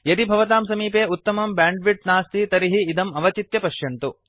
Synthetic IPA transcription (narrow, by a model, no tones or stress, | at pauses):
jɐt̪ibʱɐʋɐt̪aːmsɐmiːpeːut̪ːɐmɐmbaːɳɖʋiʈ̚naːst̪it̪ɐɾiɦiːd̪ɐmɐʋɐt͡ʃit̪jɐpɐʃjɐnt̪u